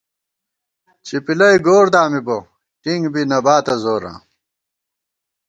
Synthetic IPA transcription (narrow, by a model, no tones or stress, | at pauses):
t͡ɕipilɐjɡoːɾd̪aːmibo | ʈiŋɡbinɐbaːt̪ɐzoːɾã̰ː